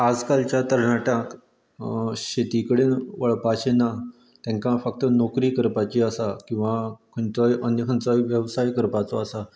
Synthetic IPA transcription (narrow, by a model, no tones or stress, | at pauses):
ad͡zkalt͡ɕjat̪əɾɳaʈə̃k | ɕet̪ikəɽenʋəɭpaɕena | t̪jãŋkãfək̚t̪ənokɾiːkəɾpat͡ɕiəsakĩw̃ʋakʰənt͡sɔjənjəkʰənt͡sajʋjəʋsajkəɾpat͡sɔasa